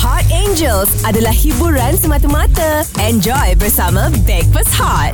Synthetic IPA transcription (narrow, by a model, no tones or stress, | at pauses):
hatẽnd͡ʒəlsʔadəlahhibuɾansəmat̪əmat̪ə | ɛ̃nd͡ʒɔjbəsamə̃bɛkfəshat̚